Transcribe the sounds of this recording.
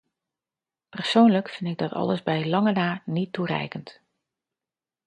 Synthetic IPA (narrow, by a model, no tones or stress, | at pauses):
pərsownləkfɪndtɪɡ̚dɔtʰɑ̰lˠəzbɛjlɑŋənaːnitʰːurɛ̰jkənt